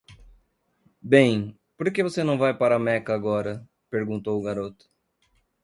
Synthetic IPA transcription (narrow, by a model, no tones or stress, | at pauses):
bẽj̃ | poɾkevosenɐ̃w̃vajpaɾɐmɛkɐaɡɔɾɐ | peɾɡũnt̪owʊɡaɾot̪ʊ̥